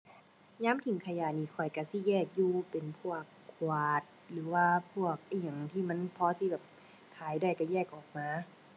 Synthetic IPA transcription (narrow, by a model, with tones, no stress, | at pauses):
ɲaː˧˥˨mt̪ʰi˨˩˦ŋkʰa˧jaː˨˩niː˧˩˨kʰɔ˨˩jka˧˩si˧˦˨jɛː˧˩k̚juː˧pe˨˩npʰu˥˩ɐəkʰːwaː˨˩t̪̚lɯː˨˩˦waː˧pʰu˥˩ɐk̚ʔa˧˩ɲa˨˩˦ŋt̪ʰiː˧˩ma˧˥˨npʰɔː˧˥si˧bɛː˨˩p̚ | t̪ʰaː˨˦jda˧˩jka˧˩jɛː˧˩k̚ʔɔː˨˩k̚maː˧˥